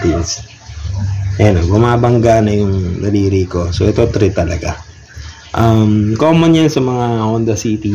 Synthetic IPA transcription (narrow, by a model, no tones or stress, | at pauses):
t̪ins | ɛnobʊmaːbɐŋɡanɐjʊŋd̪ɐɾiːɾiko̞soʔɛt̪ot̪ɾɪt̪ɐlɐɡa | ʔɐmkomːɐnjɐnsɐmɐŋaʔond̪ɐsiːt̪i